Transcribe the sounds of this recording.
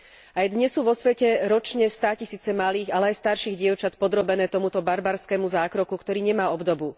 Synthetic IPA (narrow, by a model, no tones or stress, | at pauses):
ajd̪ɲɛsːuːʋɔsʋɛcɛɾɔt͡ʃɲɛst̪aːcisiːt͡sɛmaliːɣalɛajst̪aɾʃiːɣɟɪɛʊt͡ʃat̪pɔd̪ɾɔbɛnɛːt̪ɔmut̪ɔbaɾbaɾskɛːmuzaːkɾɔkukt̪ɔɾiːɲɛmaːɔbd̪ɔbu